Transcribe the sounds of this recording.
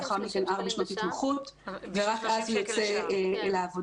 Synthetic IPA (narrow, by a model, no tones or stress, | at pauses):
aχaʁmikenaʁbeʃmot̪itmaχutveʁakʔazhujot͡selaːvo